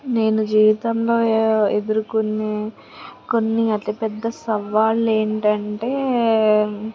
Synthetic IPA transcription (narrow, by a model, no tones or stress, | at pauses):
ne̞ːnud͡ʒiːʋit̪ɐmlo̞ːed̪uɾukunːeː | ko̞nːiɐt̪ipɛd̪ːɐsɐʋaːle̞ːɳʈɐɳʈe̞ː